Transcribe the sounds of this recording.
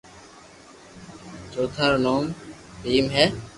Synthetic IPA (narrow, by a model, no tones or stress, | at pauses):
t͡ʃoːt̪ʰaːɾnoːm | piːmɦɛː